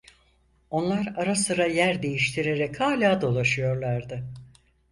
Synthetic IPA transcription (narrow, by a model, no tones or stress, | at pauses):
o̞nlˠaɾaɾasɯɾajæɾd̪e̞jiʃt̪ʰiɾe̞ɾɛkhaːlʲaːd̪o̞lˠaʃɯjo̞ɾlˠaɾd̪ɯ